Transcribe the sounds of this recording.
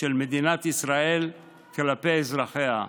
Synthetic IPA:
elmed̪inat̪isʁael | kelapeezʁaχea

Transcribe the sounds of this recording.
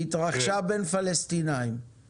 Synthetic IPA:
it̪ʁaχʃabe̞nfalest̪inaim

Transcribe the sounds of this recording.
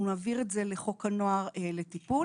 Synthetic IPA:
umaːviʁetzeleχo̞kanoaʁeletipu

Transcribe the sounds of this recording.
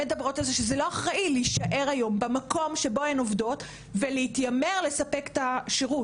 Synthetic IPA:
me̞dabʁo̞talze̞ʃezelo̞aχʁaʔileiʃaʔe̞ʁajo̞mbemako̞mʃe̞bo̞enovdo̞t | veleitjame̞ʁle̞sape̞ke̥taʃeʁut

